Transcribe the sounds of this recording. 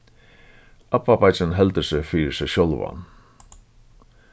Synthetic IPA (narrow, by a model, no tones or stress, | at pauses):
ʔapːapajt͡ʃɪnɦɛlt̪əsɛfiːɾɪsɛɕjolva̰n